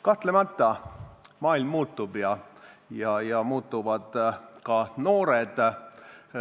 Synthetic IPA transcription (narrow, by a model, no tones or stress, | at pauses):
kɑht̪lemɑt̪ˑːɑmɑːilmːuːt̪ːˑubjɑjɑjɑmuːt̪ːˑuvɑd̪̥kɑno̞ːɾed̪̥